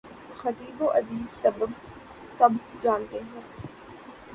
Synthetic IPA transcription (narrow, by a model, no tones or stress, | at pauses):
xɐt̪iːboʔɐd̪iːbsɐb | sɐbd͡ʒaːnd̪ẽɦɛ̃ː